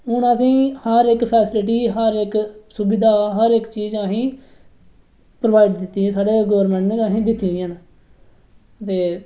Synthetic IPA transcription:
ʊnəs̬ĩːhəɾɪkpʰɛːsɪlɪʈ̬iːɦəɾɪksʊbɪd̪aːɦəɾɪkt͡ʃiːzaːɦĩː | pɾoʋaːiɖd̪ɪt̪ːiːẽːsaːɖeːɡoːɾmɛ̃ɳʈneːaːɦĩːd̪ɪt̪ːiːiən | t̪eː

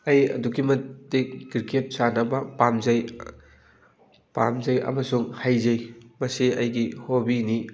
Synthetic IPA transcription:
ɐjɐ̰duɡimɐtdekɡiɾkʰep̚sanɐbɐpamzɐj | pa̰mzɐjɐ̰mɐsuŋhajzɐjmɐsiɐjɡihobini

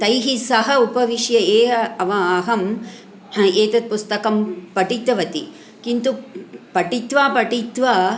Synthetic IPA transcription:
t̪ɐjɦisɐɦɐupɐʋiʂjɐeːɐɐʋɐ̃ɐɦɐm | eːt̪ɐt̪̚pust̪ɐkɐmpɐʈit̪ːɐʋɐt̪i | kint̪upɐʈit̪ʋaːpɐʈit̪ʋaː

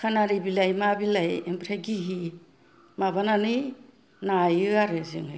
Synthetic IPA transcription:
kʰanaɾibilajmabilajempɾaɡiɦi | mabananɯj | najɯaɾɯzɯŋɯ

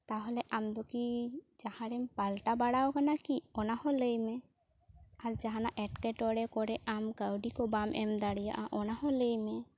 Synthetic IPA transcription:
t̪aɦɔlɛʔamd̪ɔkid͡ʒahãɾɛmpalʈabaɽawkanakiɔnahɔ̃ləjmɛ | aɾd͡ʒaɦanaʔɛʈkɛʈɔɽɛkɔɾɛʔamkəwɖikɔbamʔɛ̰md̪aɽija̰ʔaʔɔnaɦɔ̃ləjmɛ

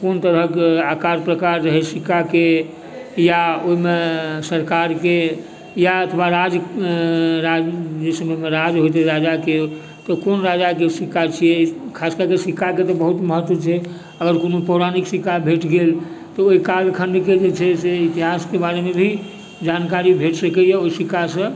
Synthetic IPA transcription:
kont̪əɾəɦkeakaɾpɾəkaɾːəɦɛsikake | jaoimesəɾkaɾke | jaət̪ʰʋaɾad͡ʒ | ɾad͡ʒesəmɛmeɾad͡ʒɦot̪eɾad͡ʒake | t̪ɔkonɾad͡ʒakesikːat͡ʃʰijɛkʰaskəɾkesikːaket̪ɔbəɦut̪məɦət̪ʋət͡ʃʰɛ | əɡəɾkonopəɾaniksikabʱeʈɡelt̪ɔoikaɾjəkʰəɳɖ̪ked͡ʒet͡ʃʰɛseit̪iɦaskebaɾemebʱi | d͡ʒankaɾibʱeʈsəkɛjɛoisikasə̃

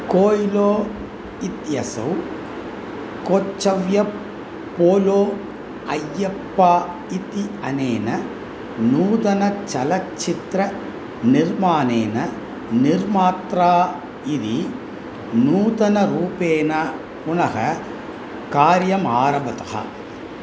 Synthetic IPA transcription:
koːiloː | it̪jɐsɐ̰w | kot͡ʃːɐʋjɐ | poːloː | ɐjːɐpːaː | it̪iɐneːnɐ | nuːd̪ɐnɐt͡ʃɐlɐt͡ʃːit̪ɾɐ | niɾmaːneːnɐ | niɾmaːt̪ɾaː | id̪i | nuːd̪ɐnɐɾuːpeːnɐ | punɐɦɐ̰ | kaːɾjɐmaːɾɐbɐt̪ɐ̥ɦɐ̰

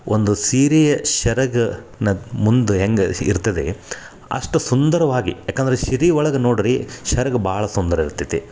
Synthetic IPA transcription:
ʔond̪usiːɾijɐʃɐɾɐɡɐ | nɐmund̪uɦeŋɡɐḭɾt̪ɐd̪ḛ | ɐ̰ʂʈɐsund̪ɐɾɐʋaːɡijaːkːɐnd̪ɐɾeʃiɾiːɔɭɐɡɐnoːɽiɾiʃɐɾɐɡɐbaːɭɐsund̪ɐɾɐiɾt̪ːit̪ːe

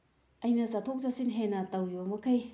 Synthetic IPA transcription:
ɐjnɐzatʰok̚zasinɦenɐtɐwjomɐkʰɐj

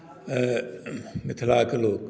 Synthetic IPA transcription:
mɪt̪ʰlaːkɐloːk

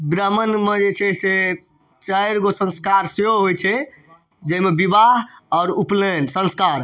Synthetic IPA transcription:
ɡɾəmənmed͡ʒet͡ʃʰɛse | t͡ʃəɾɡosə̃nskaɾseɦoɦojt͡ʃʰɛ | d͡ʒəimebibaɦɔːɾuplensə̃nskaɾ

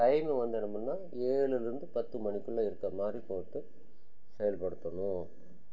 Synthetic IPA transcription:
kɐjmɛʋɐnd̪ɯnɐmɯnːaː | eːɭɯlɪɾɯnd̪ɯpɐt̪ːɯmɐnɪkːɯɭːɐɪɾɯkːɐmaːd̪ɾipoːʈːɯ | sɛjɐlpɐɽɯt̪ːɐɳʊ̃

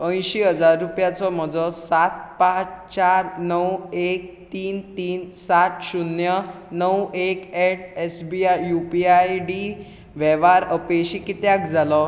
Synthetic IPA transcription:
ə̃j̃ɕiɦəd͡zaɾːupjat͡sɔm̤əd͡zɔsat̪̚pat͡st͡ɕaɾnəwek̚t̪iːnt̪iːnsat̪ɕunjə | nəwekeʈ̚ʰesbiajupiajɖi | ʋɛʋaɾəpeɕikit̪jak̚d͡zʱalɔ

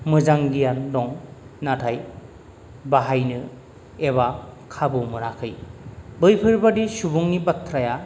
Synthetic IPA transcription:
mɯzaŋɡijandɔŋnatʰaj | baɦajnɯ | eβakʰabɯmɯɾakʰɯjbɯjpʰɯɾbadisubuŋnibatʰɾaja

